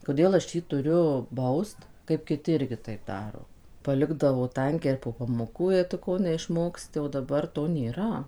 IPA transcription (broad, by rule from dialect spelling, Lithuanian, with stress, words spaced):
koːˈdʲeːlˠ ɐʃ ˈjiː tʊˈrʲʊ ˈbɐʊst kɐɪp kʲɪˈtʲɪ ˈɪrʲɡʲɪ tɐɪp ˈdɑːroː pɐˈlʲɪɡdɐʋoː ˈtɐŋʲkʲɛɪ ɪr poː pɐmoːˈkuː jɛɪ tʊ ˈkoː nʲɛɪʃˈmoːksʲtʲɪ oː dɐˈbɐr toː nʲeːˈrɐ